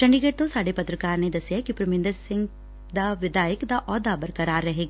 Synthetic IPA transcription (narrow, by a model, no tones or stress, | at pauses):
sɐ̃ɳɖiɡeːʈ̚t̪õsaːɽepɐt̪ɾəkaːɾned̪ɐsjakipɾʊmẽnd̪əɾsɪ̃ŋɡ | d̪aʋɪd̪aːjəkd̪aʔɔːd̪abɐɾkɐɾaːɾːɐɦeːɡa